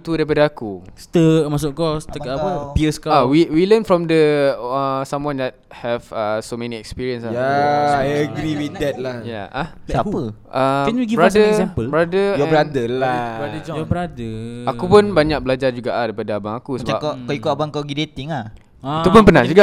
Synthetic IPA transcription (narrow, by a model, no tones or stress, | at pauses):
t̪udaɾip̬adaakust̪əmas̬ʊʔkɔst̪əkaəpiəskaawiwilənfɹɔmdəəsãmwãndɛt̚ | hɛvəsomɛ̃niɛkspiɹiə̃nsaaajəɡɾiwit̪d̪ɛt̪̚lahja̰ʔaapəʔəɛniɡibɾadəsɛ̃mpəlbɾadəjɔɛ̃bɾadəlabadəd͡ʒɔɔbəɾadəakupʊnbaɲak̚bəlad͡ʒard͡ʒuɡaʔadaipadaabaŋakusəa̰pkɔkɔikutabaŋkɔɡidet̪iŋah̪ | upunpənãhd͡ʒuɡa